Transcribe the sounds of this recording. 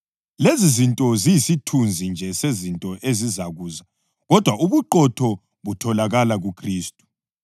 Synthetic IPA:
lezizintʼɔzijisitʰund͡zʱind͡ʒʱɛsezintʼɔʔezizaɣuːza | ɣɔd̥ʱwaʔuβuǃɔtʰɔ | βutʰɔlaɣalaɣukʰriːstʼu̥

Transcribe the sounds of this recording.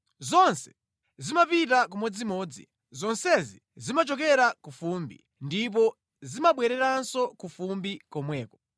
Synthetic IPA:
zɔnsɛ̥ | zimapitakumɛd͡zimɔːd͡zḭ | zɔnsɛzi | zimat͡ʃɔkɛɾakufumbḭ | ndip̬ɔ | zimaɓwɛɾɛɾansɔkufumbikɔmwɛːkɔ

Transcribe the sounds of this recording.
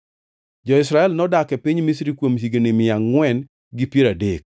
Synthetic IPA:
d͡ʒɔɪsɾaɛlnɔdakɛpiɲmis̬ɾikwomsiɡenɪmɪaŋːwɛn | ɡipjeɾadek̚

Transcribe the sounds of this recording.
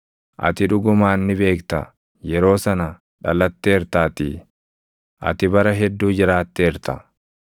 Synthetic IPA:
ʔɐ̰t̪ɪᶑʊɡʊmaːnːɪbe̞ːkt̪ɐ̰ | jɛɾo̞ːsɐnɐ | ᶑɐlːɐt̪ːeːɾt̪aːt̪ɪ | ʔɐ̰t̪ɪbɐɾɐɦɛd̪ːuːd͡ʒɪɾaːt̪ːeːɾt̪ɐ̰

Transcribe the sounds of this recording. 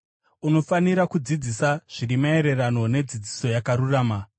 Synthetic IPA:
uno̞faniɾakud͡zid͡zisaʐ̥iɾimae̞ɾe̞rano̞ne̞d͡zid͡ziso̞jakaɾuraːma

